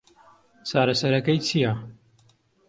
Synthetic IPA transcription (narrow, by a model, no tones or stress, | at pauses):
t͡sʰaːɾɐsɐɾɐkɐjt͡sʰija